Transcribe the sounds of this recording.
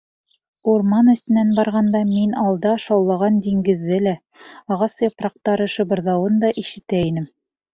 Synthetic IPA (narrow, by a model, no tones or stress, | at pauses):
uɾmɑnɘ̆st̪ɘ̆nænbɑɾʁɑnd̪ɑminɑlˠd̪ɑʃɑwlˠɑʁɑnd̪iŋɡɘ̆ðːɘlæ | ɑʁɑsjɑpɾɑq̚t̪ɑɾɤ̆ʃɤ̆βɤ̆ɾðɑwɤnd̪ɑʔiʃɘ̆t̪æinɘm